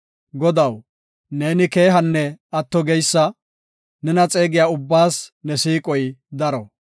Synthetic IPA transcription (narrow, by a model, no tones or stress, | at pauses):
ɡɔd̪ɐw | ne̞ːnɪkeːɦɐnːɛɐt̪ːɔɡɛjsːɐ | nɛnɐt͡sʼe̞ːɡɪjaːʊbːaːsnɛsiːkʼɔjd̪ɐɾɔ